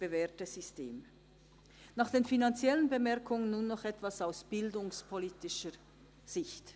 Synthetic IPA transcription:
b̥əvɛːɐtəz̥ystḛːm | naːχd̥eːnfinant͡sjɛlənbəmɛɐʁkʰʊŋənːuːnːɔχɛtv̥asaʊsb̥ɪldʊŋspʰoliːtɪʃə | z̥ɪçt

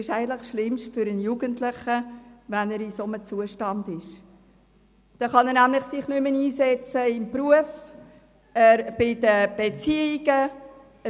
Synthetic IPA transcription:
ɪʃæɪɡəntlɪχʃlɪmʃtfʏɾənjuɡ̥əntlɪχəvænəɾisomət͡suəʃtɑndɪʃ | d̥ɑχɑnəɾnæmlɪχsɪχnʏməniːzɛt͡səɪmpɾuəf | ɛɾb̥ɪdəb̥et͡siiɡ̥ə

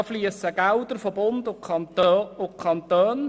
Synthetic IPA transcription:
fliəsəɡ̥aʊd̪əɾfobʊnd̪ʊkʰɑnt̪ʊkʰɑnt̪øːn

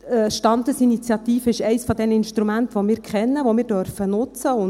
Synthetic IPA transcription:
ʃtɑndəsinit͡sjɑt̪iːfəɪʃɛɪsfɔd̪ɛnəinʃtɾumænt̪ʋomɪːɾkχɛnːəʋomɪːɾdøɾfənʊt͡səʊn

